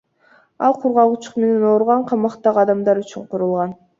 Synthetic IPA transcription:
ɑ̰lˠqʰuɾʁɑlˠut͡ʃu̥qme̞ne̞noɾʁɑɴqʰɑmɑqt̪ɑʁɑd̪ɑmd̪ɑɾyt͡ʃyɴqʰuɾulˠʁɑn

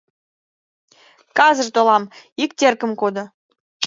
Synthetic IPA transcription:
kɑzəʐt̪olɑmikt̪ʲerkə̆mkod̪ɤ̆

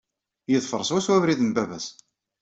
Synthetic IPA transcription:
jəðˤfəɾˤsˤwæswævɾiðənbævæs

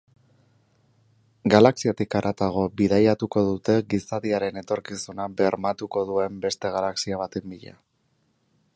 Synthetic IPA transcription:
ɡalaksiat̪ikaɾʔat̪aɣ̞o̞biðajat̪uko̞ðut̪e̞ɣisaðiaɾe̞ne̞t̪o̞ɾkisunabe̞ɾmat̪uko̞ðue̞mbe̞st̪e̞ɣ̞alaksiaβ̞at̪embiʎa̰

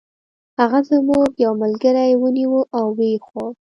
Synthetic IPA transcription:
haɣazəmuɡjawməlɡəɾajwəniwuʔawːexwol

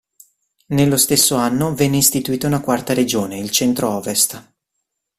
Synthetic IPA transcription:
nelːost̪esːoanːovɛnːeist̪it̪uiːt̪ounakwart̪aɾed͡ʒoːneilt͡ʃɛnt̪ɾoɔːvest̪

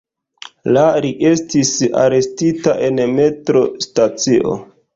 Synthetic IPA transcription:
laɾiʔe̞stisa̰ɾe̞stitaʔe̞nme̞tɾo̞stat͡siʔo̞̰

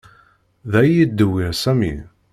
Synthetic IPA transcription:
ðæjid̪ːəwːiɾsæmḭ

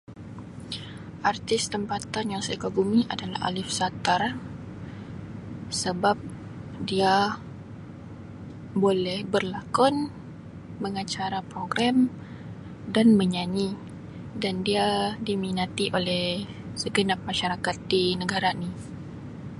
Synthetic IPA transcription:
ʔart̪ɪst̪əmpat̪anjaŋsajakaɡumiʔa̰dala̰ha̰lɪfsat̪ar | səbap̚ | dia | bolɛhbərlakɔn | məŋat͡ʃaɾapɾoɡɾam | danməɲaɲi | dandiadiminat̪iʔolɛh | səɡənap̚maʃaɾakat̪̚dinəɡaɾani

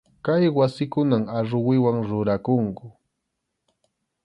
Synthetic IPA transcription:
kajwasɪkʊnamaɾʊwɪwaŋɾʊɾakʊŋkʊ

